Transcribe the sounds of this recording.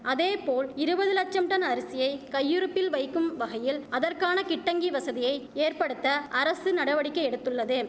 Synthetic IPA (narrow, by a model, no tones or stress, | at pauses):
ʔɐðeːpoːlɪɾɯbɐðɯlɐk̚t͡ʃɐmʈɐnɐɾɪsɪjɐɪkɐjːɯɾɯpːɪlʋɐɪkːɯmʋɐɣɐjɪlɐðɐrkaːnɐkɪʈːɐŋɡiʋɐsɐðɪjɐɪeːrpɐɽɯt̪ːɐʔɐɾɐsɯnɐɽɐʋɐɽɪkːɐɛɽɯt̪ːɯɭːɐðɯ